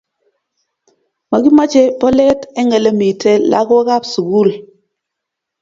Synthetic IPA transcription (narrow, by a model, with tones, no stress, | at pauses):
ma˨ɡi˦ma˦t͡ʃe˦pɔ˦lɛ˦te˦ŋe˨le˦mi˨te˦la̰˦ɡo˦ka˦psu˨ɡu˦˨l